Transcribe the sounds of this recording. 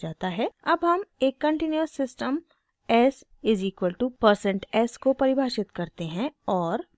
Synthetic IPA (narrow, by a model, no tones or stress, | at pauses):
d͡ʒaːt̪aɦɛːɐbɦɐmeːkːɐ̃ɳʈiːnjəɾsɪsʈəm | ɛːs | ɪziːkwəlʈupɐɾsɛ̃ɳʈɛːskopɐɾɪbʱaːʃɪt̪kɐɾt̪eɦɛ̃ɔːɾ